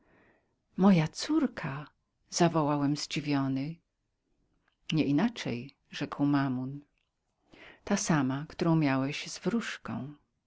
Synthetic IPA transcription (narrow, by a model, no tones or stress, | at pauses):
mɔjat̪suɾkʰa | z̥avɔwawɛmzd͡ʑivʲjɔnɘ | ɲɛʔinat͡ʂɛ̰j | ʐɛkwmamun | t̪asamakt̪uɾɔ̃w̃mʲjawɛɕzvɾuʂkɔ̰̃w̃